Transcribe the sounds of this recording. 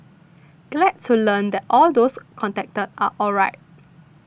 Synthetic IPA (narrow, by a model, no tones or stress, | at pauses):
ɡ̥lɛd̚tʰːulə̃nd̪ɛtʔɔldoskʰɔ̃ntɛk̚tətʔaʔɔlɹaɪt̚